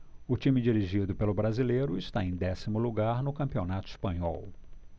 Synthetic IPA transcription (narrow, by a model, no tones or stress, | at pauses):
ʊt͡ʃĩmɪd͡ʒiɾiʒid̪ʊpelʊbɾazilejɾʊɪst̪aẽj̃d̪ɛsimʊluɡaɾnʊkɐ̃mpionat̪ʊispɐ̃ɲɔ̰w